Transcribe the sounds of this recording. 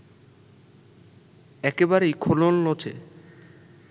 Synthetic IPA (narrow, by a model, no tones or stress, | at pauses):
ɛkebaɾejkʰolonlot͡ɕʰḛ